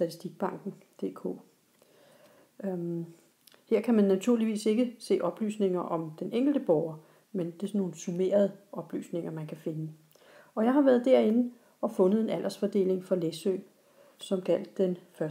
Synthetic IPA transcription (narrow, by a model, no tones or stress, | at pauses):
sd̥æt͡sʰi̥sd̥iɡ̥̚b̥ɑ̈ŋ̰ɡ̥n̩ | d̥e̝̰ːkʰo̝̰ː | heɐ̰kʰæmænːæt͡sʰuɐliʋḭːse̝ɡ̥əse̝̰ːʔɒ̽b̥ly̰ːsne̝ŋɐʔɒ̽md̥enʔeŋ̰ɡ̥l̩d̥əb̥ɒʊɐ | mend̥e̝sɒnːo̝ːn̩sume̝̰ːɐð̞ˠəɒ̽b̥ly̰ːsne̝ŋɐmænkʰæfe̝nə | ɒ̽jɑ̈ɪɦhɑ̈ʋæɐð̞̩ˠd̥æɐe̝n̩ | ɒ̽fɔ̽nəð̞̩ˠe̝næl̰ʔɐsfɒd̥e̝̰ːle̝ŋfɒ̽lesø̰ː | sɒ̽mɡ̥æl̰d̥ːenfɶɐ